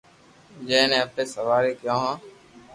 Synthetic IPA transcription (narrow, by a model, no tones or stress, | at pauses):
d͡ʒẽːnẽːəp̚eːsəʋaːɾeːkjãːɦãː